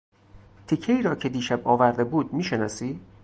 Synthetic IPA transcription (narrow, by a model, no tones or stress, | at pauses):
t̪ʰicʰːeiːɾɒːcʰe̞d̪iːʃæbɒːvæɾd̪ebuːd̪miːʃenɒːsiː